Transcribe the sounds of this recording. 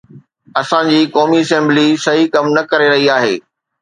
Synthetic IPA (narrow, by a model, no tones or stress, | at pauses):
ɐsãd͡ʑiːkɔːmiɐsɛ̃mblisɐɦikɐmnɐkɐɾeɾɐɦiaːɦḛː